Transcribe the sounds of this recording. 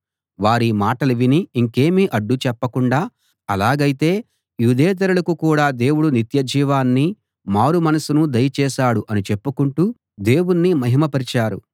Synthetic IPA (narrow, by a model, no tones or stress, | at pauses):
ʋaːɾimaːʈɐluʋiniiŋke̞ːmiʔɐɖːut͡ʃɛpːɐkuɳɖaː | ɐlaːɡɐjit̪e̞ː | jud̪ɛːt̪̬ɐɾulɐkukuːɽaːd̪e̞ːwuɽunit̪jɐd͡ʒiːʋaːnːi | maːɾumɐnɐsunud̪ɐjɐt͡ʃɛːʃaːɽuʔɐnit͡ʃepːukuɳʈu | d̪e̞ːwunːimɐɦimɐpɐɾit͡ʃaːɾṵ